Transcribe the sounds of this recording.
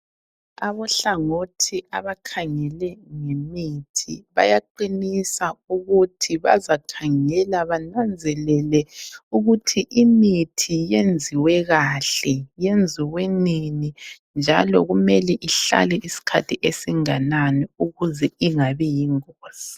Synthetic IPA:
aβɔɬaŋotʰiʔaβakʰaŋɛlɛŋemitʰḭβa̰jaǃinisauɣutʰiβa̰zakʰaŋɛlaβanand͡zʱɛlɛlɛuɣutʰiʔimitʰijend͡zʱiwɛɣaɬɛjend͡zʱiwenini | nd͡ʒʱalɔɣumɛlɛʔiɬa̰lɛʔisi̥kʰa̰tʰiʔesiŋananiuɣuzɛiŋaβɛjiŋoːz̥i̥

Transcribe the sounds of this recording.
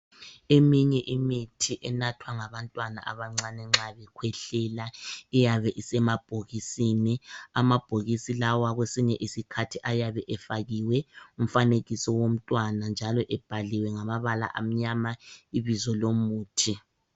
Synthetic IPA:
emiɲɛʔimitʰiʔɛnatʰwaŋaβantʼwana̰ʔa̰βaŋ͡ǀanɛŋ͡ǁaβɛkʰwɛɬɛlaijaβɛʔisɛmab̥ʱoɣisiniamab̥ʱoɣisilawaɣwesiɲɛʔisikʰatʰiʔajaβɛʔɛfaɣiwɛum̩faneɣisɔwom̩tʼwanand͡ʒʱalɔʔɛb̥ʱaliwɛŋamaβala̰ʔa̰m̩ɲamaiβizɔlomuːtʰi

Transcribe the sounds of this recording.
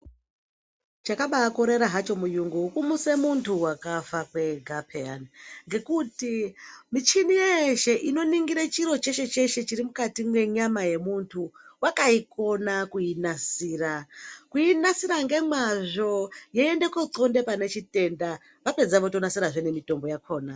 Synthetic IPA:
t͡ʃakaɓaːko̞ɾe̞ɾaɦat͡ʃo̞mujuŋɡuukumuse̞muntʰuwakafakwe̞ɡʱapʰeanŋɡe̞kutimit͡ʃinijeʃe̞ʔino̞niŋɡiɾat͡ʃiɾo̞t͡ʃe̞ʃe̞t͡ʃe̞ʃe̞t͡ʃiɾimukatimwe̞ɲamaje̞muntʰuwakaiko̞nakuinasiːrakuinasiɾaŋɡe̞mwaʐo̞jeende̞ko̞t͡so̞nde̞pane̞t͡ʃite̞nda | ʋape̞d͡zaʋotonasiɾaʐene̞mito̞mbo̞jakʰo̞ːna

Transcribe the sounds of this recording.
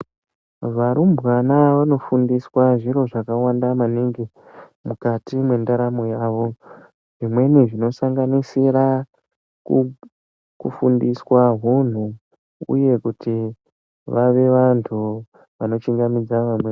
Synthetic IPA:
ʋaɾumbwanaʋano̞fundiswaʐiɾo̞ʐakawandamaniŋɡi | mukatimwe̞ndaɾamo̞jaːʋo̞ | ʐimwe̞niʐino̞saŋɡanisiɾa | ku | kufundiswaɦun̤u | ṵje̞kuti | ʋaʋe̞ʋantʰu | ʋano̞t͡ʃiŋɡamid͡zaʋamwe

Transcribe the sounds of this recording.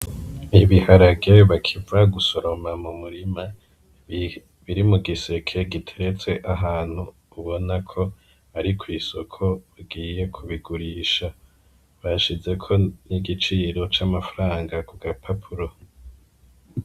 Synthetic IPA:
iβihaɾaɡeβakʰivaɡuso̞ɾo̞mamumuɾima | βiɾimuɡise̞kʰe̞ɡitʰeɾe̞t͡se̞ʔaɦaːn̥hu | uβo̞nakʰo̞ | aɾikʰwiːso̞kʰo̞βaɡiːje̞kʰuβiɡuɾiːʃa | βaʃize̞kʰo̞niɡit͡ʃiːɾo̞t͡ʃamafaɾaːŋɡakuɡapʰapʰuɾo̞

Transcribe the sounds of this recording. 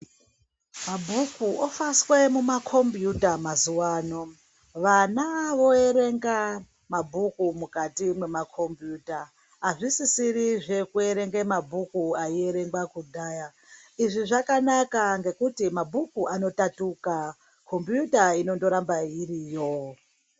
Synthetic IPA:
mabʱukuʔofaswe̞mumakʰo̞mbjutamazuwaːno̞ | ʋanaʋo̞e̞ɾe̞ŋɡa | mabʱukumukatimwe̞makʰo̞mbjuːtaː | ʐisisiɾiʐe̞kue̞ɾe̞ŋɡe̞mabʱukuaie̞ɾe̞ŋɡwakudʱaːja | iʐiʐakanakaŋɡe̞kutimabʱukuʔano̞tatuka | kʰo̞mbjutaino̞ndo̞ɾambairijo

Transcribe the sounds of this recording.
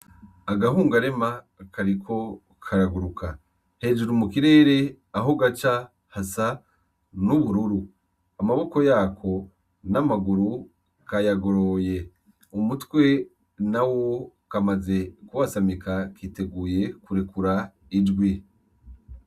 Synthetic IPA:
aɡahuːŋɡaɾe̞ma | kʰaɾikʰo̞ | kʰaɾaɡuɾukʰa | he̞ːd͡ʒuɾumukiɾe̞ːɾe̞ | aɦo̞ɡat͡ʃa | hasa | nuβuɾuɾu | amaβo̞ko̞jaːkʰo̞ | namaɡuɾu | kajaɡoɾo̞je̞ | umutwe̞ | nawokamaze̞kuwasamikakʰite̞ɡuːje̞kuɾekuɾa | id͡ʒɡwi

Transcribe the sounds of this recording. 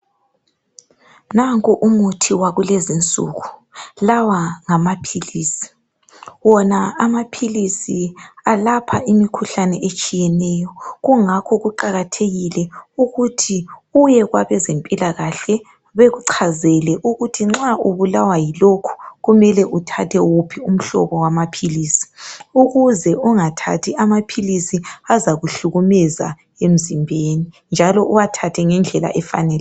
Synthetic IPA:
naŋkʼuʔumutʰiwaɣulezint͡sʼṵːɣulawaŋamapʰiliːsi̥ | wɔnaamapʰilisialapʰaʔimikʰuɬanɛʔet͡ʃʼijɛnɛjɔɣuŋakʰɔɣuǃaɣatʰeɣilɛuɣutʰiujɛɣwaβɛzempʼilaɣaɬɛ | βeɣuǀʰazɛlɛʔuɣutʰiŋ͡ǁauβulawajilokʰu̥ɣumɛlɛʔutʰa̰tʰɛwupʰium̩ɬɔ̰βɔwamapʰiliːsi̥uɣuzɛuŋatʰa̰tʰiamapʰilisiazaɣuɬuɣumɛza̰ | em̩zimbʱeːni | nd͡ʒʱalɔʔuwatʰatʰɛŋɛnd͡ɮʱɛla̰ʔɛfa̰nɛl

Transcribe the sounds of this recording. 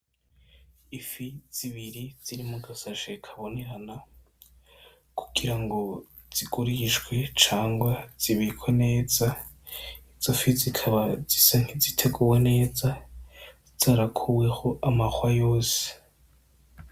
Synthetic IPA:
ifiz̥iβiɾiz̥iɾimuɡasaʃekʰaβo̞ne̞ɾana | kʰuɡ̥iɾaŋɡo̞ | z̥iɡuɾiʒɡwe̞t͡ʃaːŋɡwaz̥iβiikʰwene̞ːza | iz̥ofizikʰaβazisaŋ̥izitʰe̞ɡuwe̞ne̞ːza | z̥aːɾakʰuwe̞ho̞amaxwajo̞ːse̥

